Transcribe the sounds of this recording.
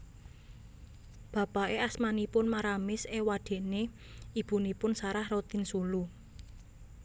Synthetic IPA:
b̥ä̤paʔeasmanipʊnmaɾamɪsewaɖ̥e̤ʔne | ib̥ṳnipʊnsaɾahrot̪ɪnsulu

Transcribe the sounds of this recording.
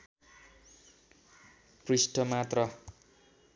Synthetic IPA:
prisʈʌmat̪rʌ

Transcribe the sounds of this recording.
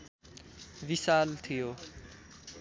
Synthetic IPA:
ʋisaːlt̪ʰijo

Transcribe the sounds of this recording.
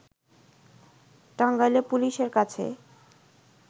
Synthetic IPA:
ʈaŋɡajlepuliʃeɾkat͡ɕʰḛ

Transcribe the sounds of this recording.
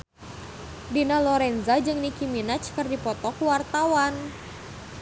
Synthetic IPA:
dinalɔɾɛnzad͡ʒɨŋnikiminat͡ʃkɨrdipɔt̪ɔkuwart̪awan

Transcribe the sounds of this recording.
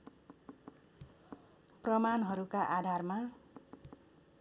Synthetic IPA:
prʌmanɦʌɾukaʔad̪ʱarma

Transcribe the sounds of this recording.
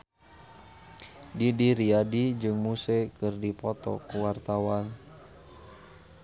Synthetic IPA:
didiɾiadid͡ʒɨŋmusɛkɨrdipɔt̪ɔ̰kuwart̪awan

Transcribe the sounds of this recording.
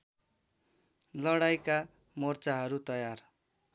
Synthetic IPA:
lʌɽajka | mʌrt͡saɦʌɾut̪ʌjar

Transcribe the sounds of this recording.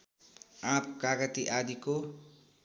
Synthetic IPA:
ãpkaɡʌt̪iʔad̪iko

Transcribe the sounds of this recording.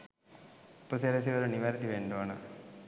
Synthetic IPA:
pːuseɾɐs̬iʋɐɾuniʋɐɾit̪iʋeːɳɖoːnɐ̰

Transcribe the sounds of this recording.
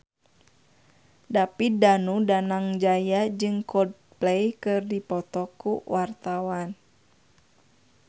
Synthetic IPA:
dapidanudanaŋd͡ʒajad͡ʒɨŋkʰɔd̚ | plɛjkɨrdipɔt̪ɔkuwart̪awan

